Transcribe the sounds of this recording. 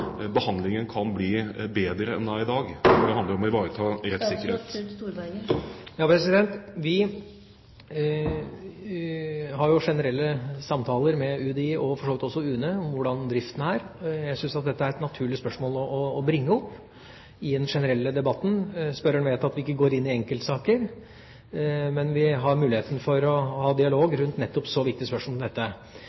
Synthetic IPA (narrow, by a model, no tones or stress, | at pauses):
bəhɑnd̪lɪŋənkʰɑnbliːbeːd̪ɾəɛ̰nd̪æɪɪd̪ɑːɡd̪ɛɑnd̪əɾɔmɔɪʋɑːɾət̪ʰɑːɾɛt̪ssɪkːəɾheːt̪ː | jɑːpʰɾɛsɪd̪ɛnt̪ʋɪ | hɑɾjʊʂɛnəɾɛlːəsɑmt̪ʰɑːləɾmɛʉd̪ɛɪʔɔfɔʂoːʋɪt̪ɔsːɔʉːnəɔmʋʊɖɑnd̪ɾɪft̪ənəæːɾjæɡsʏnsɑt̪̚d̪ɛt̪ːəæɾɛt̪nɑt̪ʰʉːɭɪspœʂmoːlɔɔːbɾɪŋːəɔpː | ɪd̪ɛnʂɛnəɾɛlːəd̪ɛbɑt̪ːn̩spœɾəɳʋeːt̪ɑt̪ʋɪɪkːəɡoːɾɪnːɪɛŋkəlt̪əsɑːkəɾ | mɛnʋɪɦɑɾmʉːlɪheːt̪nfɔɾɔhɑːd̪ɪɑloːɡɾʉnt̪nɛt̪ːɔpsɔʋɪk̚t̪ɪəspœʂmoɔd̪ɛt̪ːə